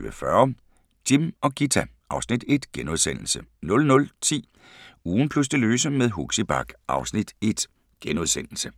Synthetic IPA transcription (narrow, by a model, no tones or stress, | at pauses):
əfɶɐ | d̥imɒ̽ɡ̥it͡sʰæ | ʔɑ̈ʊsnid̥e̝d̥ɡ̥enuðˠsen̰l̩sənɔ̽lnɔ̽lt͡sʰḭː | uːn̩pʰlus̬d̥e̝løːsəmeðˠɦuɡ̥sib̥ɑ̈ɡ̥ʔɑ̈ʊsnid̥e̝d̥ | ɡ̥enuð̞ˠsen̰l̩sə